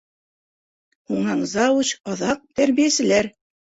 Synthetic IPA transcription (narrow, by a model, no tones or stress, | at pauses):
huɴɑɴzɑwut͡ɕɑðɑq̚t̪æɾβijæsɘ̆læɾ